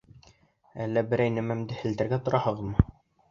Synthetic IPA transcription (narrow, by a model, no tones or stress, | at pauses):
ælːæbɘ̆ɾæjnɘmæmd̪ɘhɘ̆ld̪æ̆ɾɡæt̪ŏɾʔɑhɤ̆ʁɤ̆ðmɤ